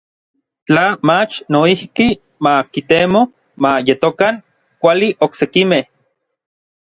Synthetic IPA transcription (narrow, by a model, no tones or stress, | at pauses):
t͡ɬamat͡ʃnoihki | makit̪emo | majet̪okaŋ | kʷaliʔoksekimeh